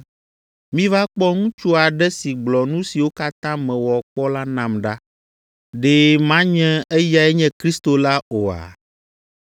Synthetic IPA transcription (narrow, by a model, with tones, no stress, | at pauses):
mĩ˦va˦k͡pɔ˦ŋũ˦t͡ʃu˦a˨ɖɛ˦si˨ɡ͡blɔ˨nũ˦si˨wo˦ka˦t̪ã˦mɛ̃˨wɔ˨k͡pɔ˦la˦nã˨mɖa˦ | ɖe˦mã˦ɲɛ̃˦ɛ˦ja˨ɛ˦ɲɛ̃˦kɾi˦st̪o˨la˦o˨a̰˨